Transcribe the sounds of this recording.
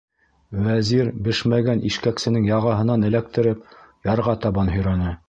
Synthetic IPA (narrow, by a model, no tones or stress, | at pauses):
wæziɾbɘʃmæɡænʔiʃkæksɘ̆nɘŋjɑʁɑɦɤ̆nɑnɘ̆læk̚t̪ɘ̆ɾɘpjɑɾʁɑt̪ɑβɑnɦɵ̆jɾɑnɤ